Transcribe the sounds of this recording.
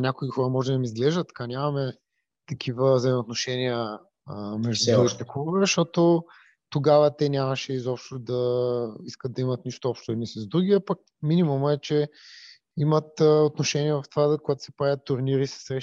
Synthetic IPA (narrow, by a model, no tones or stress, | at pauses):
nʲakoixɔɾəmɔʒɛd̪ɐmizɡlɛʒd̪ət̪ːɐ̥kanʲamɐmɛ | t̪ɐk̟ʰivəvzɐjmot̪noʃɛniə | mɛʒd̪ud̪uɡit̪ɛkvzʃt̪ɔt̪o | t̪oɡavət̪ɛnʲamɐʃɛizɔpʃt̪od̪ɐiskətd̪d̪ɐimɐt̪niʃt̪oɔpʃt̪oɛd̪nisɐzd̪ɾuɡʲiapak̚ | minimumɛt͡ʃɛ | imət̪ːot̪noʃɛnʲiɛvɐft̪ovazkoɡat̪o̥sɛ̥pɾavʲət̪ːʊɾniɾisɐ̥sɾɛʃ